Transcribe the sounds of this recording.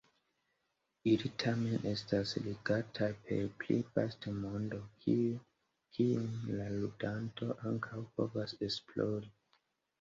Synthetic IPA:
ilitʰamenʔestasliɡatʰapʰe̞̰plḛfastemondo̞k | kʰiumlaludantʰo̞ʔaŋkʰawpo̰vasesploɾi

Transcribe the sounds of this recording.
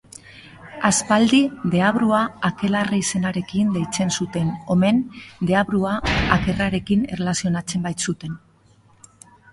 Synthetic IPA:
aspald̪iðe̞aβɾuaːke̞lareise̞naɾe̞kind̪ejt͡se̞nsut̪e̞no̞me̞nd̪e̞aβɾuaake̞raɾe̞kine̞relasio̞nat͡se̞mbajt̪sut̪e̞n

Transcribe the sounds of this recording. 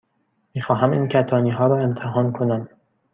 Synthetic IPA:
miːxɒːɦæmiːncʰæt̪ʰɒːniːɦɒːɾɒːe̞mt̪ʰeɦɒːnkʰonæm

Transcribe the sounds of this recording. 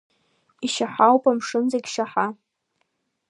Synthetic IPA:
iʃaħawpʼamʂɨnzaɡʲʃaħa

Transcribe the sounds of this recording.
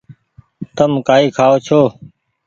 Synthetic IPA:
t̪əmkaːiːkʰaːoːt͡ʃʰoː

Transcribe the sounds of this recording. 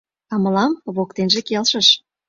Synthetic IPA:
ɑmə̆lɑmβokt̪enʒekelʃəʃ

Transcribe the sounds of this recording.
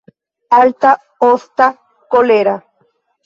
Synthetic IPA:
alt̪a | ost̪a | koleɾa

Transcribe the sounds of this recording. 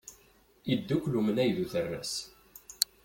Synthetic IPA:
id̪ːukʷːlumənæjðuθərːæ̰s

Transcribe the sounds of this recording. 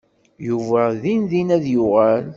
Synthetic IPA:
juvæðinðinæðjʊʁæl

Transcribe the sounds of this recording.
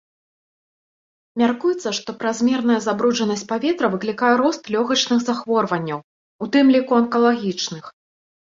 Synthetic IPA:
mʲarkujɛt̪sːɐʂt̪ɔpɾazʲmʲɛrn̪ɐjɐzabɾud͡ʐɐnɐsʲt͡sʲpavʲɛt̪ɾɐvɨklʲikajɛɾɔst̪lʲɔɣɐt͡ʂnɨxzaxvɔrvɐnʲːɐw | ut̪ɨmlʲikuɐnkɐlˠaɣʲit͡ʂnɨx

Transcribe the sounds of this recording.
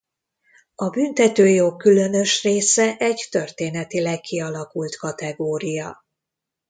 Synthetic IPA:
ɒbynt̪ɛt̪øːjoːkːylø̞nø̞ʃreːsɛʔɛɟt̪ø̞rt̪eːnɛt̪ilɛkːiɒlɒkult̪kɒt̪ɛɡoːɾijɒ

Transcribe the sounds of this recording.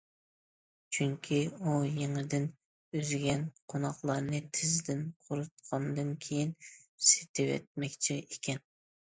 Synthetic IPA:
t͡ʃʰyŋkʲʰiujeŋɪd̪ɪn | øzɡʲɛnqʰonɑχlˠɑɾnɨt̪ʰɪzɪd̪ɪnqʰʊɾut̪̚qʰɑnd̪ɨnkʲʰejinse̥t̪ʰɪwɛ̰t̪̚mɛkʲt͡ʃʰiekʲɛn

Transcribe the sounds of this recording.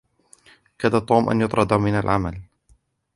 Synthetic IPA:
kaðat̪ˤuːmʔa̰njʊt̪ˤɾˤɑd̪amɪnalʕama̰l

